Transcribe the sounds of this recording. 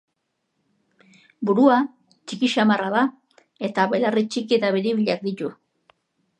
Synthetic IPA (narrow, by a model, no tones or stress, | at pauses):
buɾua | t͡ʃikiʃamaraða | e̞t̪aβelarit͡ʃikiet̪aβeɾiβiʎak̚d̪it̪u